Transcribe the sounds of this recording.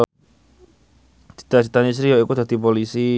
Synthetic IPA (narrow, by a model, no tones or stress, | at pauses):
d̪̥i̥t̪ad̥̪i̤t̪anis̬ɾiɔikud̪̥a̤d̪̥i̤p̬olisi